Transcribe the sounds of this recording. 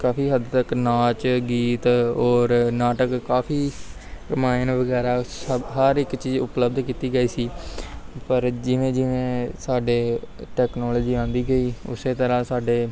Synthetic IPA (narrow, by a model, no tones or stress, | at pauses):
kaːpʰiːɦəd̪t̪əknaːt͡ʃɡiːt̪ɔːɾnaːʈəkːaːpʰiː | ɾɪmaːɪnʋəɡɛːɾaːsəbɦəɾɪkt͡ʃiːzʊ̰pləbd̪kiːt̪iːɡəiːsiː | pəɾd͡ʒɪʋẽːd͡ʒɪʋẽːsaːɖeːʈɛːknoːlːd͡ʒiːãːnd̪iːɡəiːʊ̰seːt̪əɾãːsaːɖeː